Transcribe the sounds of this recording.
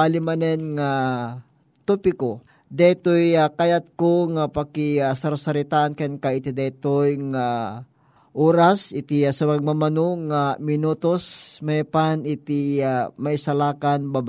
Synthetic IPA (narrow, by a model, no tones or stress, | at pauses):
alimanɛnŋa | t̪upɪko | d̪ɛt̪ojakajat̪̚koŋapakɪasɐɾasaɾit̪aʔankɛnkaɪt̪id̪ɛt̪ojŋa | ʔoːɾasɪt̪iasɐwaɡ̚mamanoŋamɪnut̪osmajpanɪt̪iamaisalaːkanbab